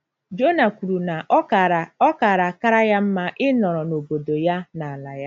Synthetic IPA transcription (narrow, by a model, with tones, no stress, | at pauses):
d͡ʒo˦na˨ku˨ɾu˨na˨˦˨ɔ˦ka˨ɾa˨ka˦ɾa˦ja˦m̩˦ma˦ʔɪ˦nɔ˨ɾɔ˨no˨bo˨do˨ja˦na˨a˨la˨ja˦